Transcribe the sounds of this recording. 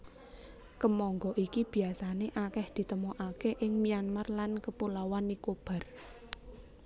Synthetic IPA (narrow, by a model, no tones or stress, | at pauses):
kəmɔŋɡɔʔikib̥i̤asaneʔakɛhd̪̥i̤t̪əmɔʔakeʔɪŋmianmarlankəpulawanːikob̥a̤r